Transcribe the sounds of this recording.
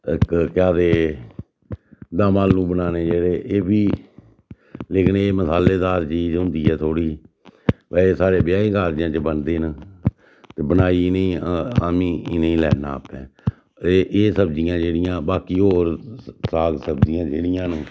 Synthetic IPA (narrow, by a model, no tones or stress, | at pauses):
ɪkkɪjaːd̪eː | d̪ãːmaːlnũːbənaːneːd͡ʒeːɽeːʔeːbiː | leːkɪneːməsaːleːd̪aːɾt͡ʃiːd͡ʒɦʊ̃nd̪iːɛːt̪ʰoːɽiː | bəeːsaːɾeːbɪjaːiːkaːɾd͡ʒjãːt͡ʃəbənd̪eːn | t̪eːbənaːiːɪneĩːmĩːɪnĩːlɛ̰ːna̰ːpɛ̰̃ː | ʔeːsəbd͡ʒɪjãːd͡ʒeːɽɪjãːbaːkiːɦoːɾsaːɡsəbd͡ʒɪjãːd͡ʒeːɽɪjãːnũː